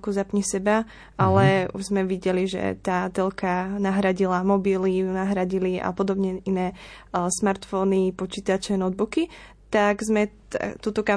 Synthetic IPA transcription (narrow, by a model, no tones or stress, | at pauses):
kuzapɲɛsɛba | alɛṵʒzmɛʋiɟɛliʒɛ̰t̪aːt̪ɛlkanaɦɾaɟilamɔbiliunaɦɾaɟilia̰pɔd̪ɔbɲɛinɛːsmaɾt̪fɔnipɔt͡ʃiːt̪at͡ʃɛnɔd̪̚buki | t̪aɡzmɛ | a̰t̪uːt̪ɔka